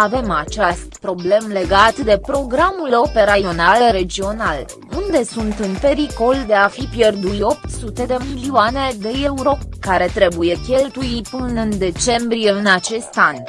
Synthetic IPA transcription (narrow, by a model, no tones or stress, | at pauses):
ave̞mat͡ʃast̪pɾo̞ble̞mle̞ɡat̪d̪e̞pɾo̞ɡɾamulo̞pe̞ɾao̞nalɾe̞d͡ʒio̞nal | und̪e̞sunt̪ɨnpe̞ɾiko̞ld̪e̞afipje̞rd̪uo̞p̚t̪sut̪e̞d̪e̞miliuane̞d̪e̞euɾo̞kaɾe̞t̪ɾe̞buje̞kʲe̞lt̪ujipɨnɨnd̪e̞t͡ʃe̞mbɾije̞ɨnat͡ʃe̞st̪an